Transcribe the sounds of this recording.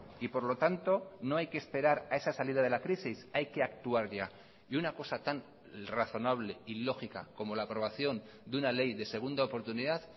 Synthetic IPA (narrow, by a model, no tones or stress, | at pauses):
ipo̞ɾlo̞t̪ant̪o̞no̞ajkeːspe̞ɾaɾae̞sasaliðað̞e̞lakɾisisajke̞akt̪uaɾʎa | iunako̞sat̪an | raθo̞naβ̞le̞ilo̞xika̰ko̞mo̞laːpɾo̞β̞aθjo̞n | d̪unale̞jðe̞se̞ɣ̞und̪aopo̞ɾt̪uniðað